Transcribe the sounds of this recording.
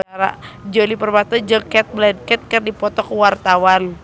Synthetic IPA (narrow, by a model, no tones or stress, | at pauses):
ɾa̰d͡ʒolipərbat̪ɔd͡ʒəkɛt̪̚blɛdkɛt̪̚kərdipɔt̪ɔkəwart̪awan